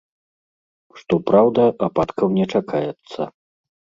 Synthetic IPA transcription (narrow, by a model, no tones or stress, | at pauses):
ʂt̪ɔpɾawd̪ɐʔapat̪kɐwnʲɛt͡ʂakʰajɛt̪sːɐ̰